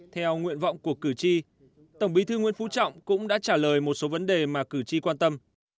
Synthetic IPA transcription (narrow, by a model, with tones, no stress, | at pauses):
t̪ʰɛ˧wŋwḭ˧˨ənvɔ̰˧˨wŋ͡mku˨˩əkːɨ˧˩t͡ɕi˧ | t̪ə˧˩ŋ͡mɓi˨˦t̪ʰɨ˧ŋwi˧˥nfu˧˥t͡ɕɔ̰˧˨wŋ͡mkʊ̰˧˥ŋ͡mɗa̰ː˧˥t͡ɕaː˧˩ləː˨˩jmo˨˩t̚so˨˦və˨˦nɗe˨˩maː˨˩kɨ˧˩t͡ɕi˧kwaː˧nt̪ə˧m